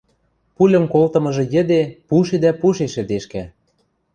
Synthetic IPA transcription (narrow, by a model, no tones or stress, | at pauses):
pulʲə̆mkolt̪ɤ̆mɤ̆ʒɤ̆jə̆d̪epuʃed̪æpuʃeʃɘ̆d̪eʃkæ